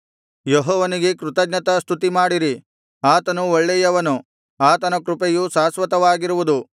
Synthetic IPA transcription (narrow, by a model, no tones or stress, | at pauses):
jɔɦɔːʋɐniɡe̞kɾut̪ɐɡnɐt̪ɐst̪ʰut̪imaːɽiɾi | aːt̪ɐnuoɭːɛjɐʋɐnu | aːt̪ɐnɐkɾupejusaːsʋɐt̪ɐʋaːɡiɾuʋud̪u